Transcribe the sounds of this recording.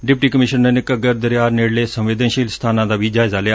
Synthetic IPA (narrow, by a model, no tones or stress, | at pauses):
ɖɪpʈiːkəmɪʃənːenekəɡəɾd̪əɾjaːɾneːɽleːsə̃mʋɪd̪ənʃiːlst̪ʰaːnãːd̪aːbʱiːd͡ʒaːɪzalejaː